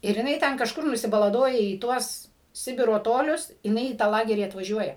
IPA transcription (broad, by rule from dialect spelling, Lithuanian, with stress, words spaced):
ɪr jɪˈnɐɪ ˈtʲɛn kɐʃˈkʊr nʊsʲɪbɐlˠɐˈdoːjɛ iː ˈtuɔs ˈsʲɪbʲɪroː ˈtoːlʲʊs jɪˈnɐɪ iː tɑː ˈlˠɑːɡʲɛrʲiː ɐtʋɐˈʒʲuɔjɛ